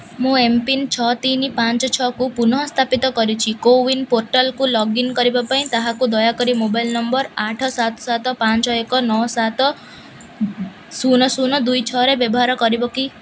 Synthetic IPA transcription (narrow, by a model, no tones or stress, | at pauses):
mũempint͡ʃʰɔt̪inipant͡ʃɔt͡ʃʰɔkupunɔɦɔst̪ʰapit̪ɔkɔɾit͡ʃʰikowinpoɾʈalkulɔɡinkɔɾibapaĩt̪aɦakud̪ɔjakɔɾimobajlnɔmbɔɾaʈʰɔsat̪ɔsat̪ɔpant͡ʃɔekɔnɔsat̪ɔ | sunɔsunɔd̪ujt͡ʃʰɔɾebjɔbɔɦaɾɔkɔɾibɔki